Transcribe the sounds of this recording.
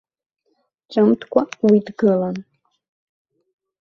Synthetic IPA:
ʈ͡ʂʼɨmtʰkʷʰʼawidɡɨlan

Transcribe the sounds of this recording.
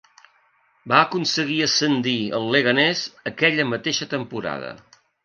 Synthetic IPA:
baəkunsəɣiəsənd̪iə̰lˠːəɣənɛzəkɛʎəmət̪eʃət̪əmpuɾa̰ðə̰

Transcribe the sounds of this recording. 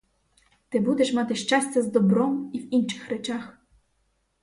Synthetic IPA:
t̪ɘbud̪ʲɛʂmat̪ɘʃt͡ʂasʲt͡sʲazd̪ɔbɾɔmivint͡ʂɘ̥xɾɛt͡ʂax

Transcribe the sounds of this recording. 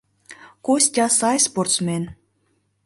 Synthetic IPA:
kosʲtʲɑsɑjsport̪smʲen

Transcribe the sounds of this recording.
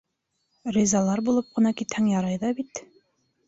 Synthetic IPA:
rʲizɑlˠɑɾbulˠɤp̚qɤ̆nɑkit̪hæŋjɑɾɑjðɑbit̪

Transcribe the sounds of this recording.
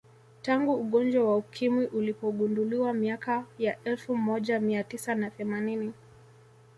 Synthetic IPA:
taŋɡuːɠɔnd͡ʒwawaukʰimwiʔulipɔɠunduliwamiakajaʔɛlfumɔʄamiatisanaθɛmanini

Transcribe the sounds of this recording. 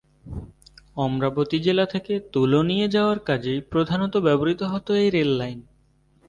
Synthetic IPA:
ɔmɾabot̪id͡ʑelat̪ʰeket̪ulonijed͡ʑaoaɾkad͡ʑejpɾod̪ʱanot̪obɛboɾit̪oɦɔt̪oejɾelːajn

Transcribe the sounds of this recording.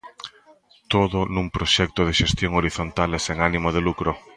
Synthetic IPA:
t̪oðʊnũŋpɾoʃɛk̚t̪oð̞eʃest̪joŋoɾiθont̪aleseŋanimoð̞elukɾo

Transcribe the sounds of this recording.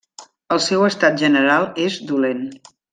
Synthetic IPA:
əlˠsɛwəst̪at̪̚ʒənəɾalˠezd̪ulen

